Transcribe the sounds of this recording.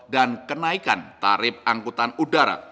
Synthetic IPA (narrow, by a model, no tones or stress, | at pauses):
dankənaikant̪a̰ɾɪp̚aŋkut̪anudaɾa̰